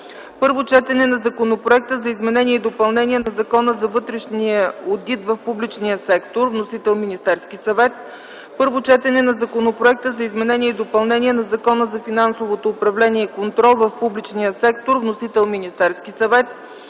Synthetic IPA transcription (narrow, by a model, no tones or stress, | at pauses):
pɤɾvot͡ʃɛt̪ɛnɛnɐzɐkonopɾoɛk̚t̪əzɐizmɛnɛniɛid̪opɐlˠnɛnʲiɛnɐzɐkɔnəzɐvɤt̪ɾɛʃniəod̪it̪vɐfpublit͡ʃnijəsɛkt̪oɾvnosit̪ɛlˠminist̪ɛɾskisɐvɛt̪̚ | pɤɾvot͡ʃɛt̪ɛnɛnɐzɐkonopɾoɛk̚t̪əzɐizmɛnɛniɛid̪opɐlˠnɛnʲiɛnɐzɐkɔnəzɐfinansovot̪oːpɾɐvlɛniɛikont̪ɾɔlˠvɐfpublit͡ʃniəsɛk̚t̪oɾvnosit̪ɛlˠminist̪ɛɾskisɐvɛt̪̚